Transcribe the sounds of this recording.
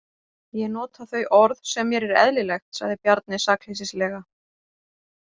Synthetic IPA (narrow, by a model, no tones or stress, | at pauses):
jɛnɔːt̪aθœɥʔɔɾðsɛmːjɛɾɛɾɛ̰ðlɪlɛxt̪sa̰ɣðɪpjaɾt̪̚nɪsakl̥esislɛːɣa